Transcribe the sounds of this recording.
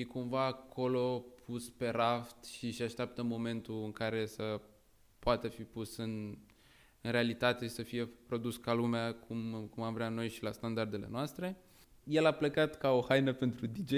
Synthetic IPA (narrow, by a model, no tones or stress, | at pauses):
jekumvaːkʰo̞lo̞pʰuspe̞ɾaft̪ʃiʃaʃt̪eap̚t̪əmo̞mẽ̞nt̪uɨŋkaɾe̞sə | poat̪əfipusɨn | ɨnɾe̞alit̪at̪eʃisəfije̞pɾo̞d̪uskalumeakʰumkumamvɾeano̞jʃilast̪and̪ard̪e̞le̞̰noast̪ɾe̞ | jelapləkat̪kao̞hajnəpe̞nt̪ɾud̪id͡ʒe